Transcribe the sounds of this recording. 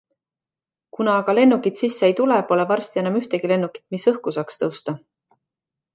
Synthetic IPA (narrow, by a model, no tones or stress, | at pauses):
kunɑːɡɑle̞nːukit̪sisːeejt̪ulepo̞le̞vɑrst̪ienɑmyht̪eɡ̥ile̞nːukːˑi̥t̪misɤhkusɑkst̪ɤwst̪ɑ